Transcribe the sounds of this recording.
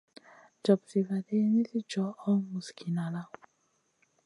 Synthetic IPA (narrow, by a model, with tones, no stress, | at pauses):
d͡ʒɔ˨bzi˨va˨de˦ɲe˦zi˦d͡ʒɔ˨ɔ˦mu˨skʰi˨na˨la˦˨